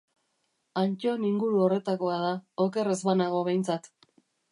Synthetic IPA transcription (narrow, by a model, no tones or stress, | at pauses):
ant͡ʃo̞eniŋɡuɾuo̞re̞t̪ako̞að̞aoke̞re̞zβanaɣ̞o̞βe̞jnt͡sat̪